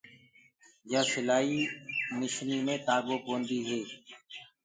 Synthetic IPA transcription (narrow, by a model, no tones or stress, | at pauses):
jaːsɪlaːiːmɪʃniːmẽːt̪aːɡõːkõːnd̪iːɦeː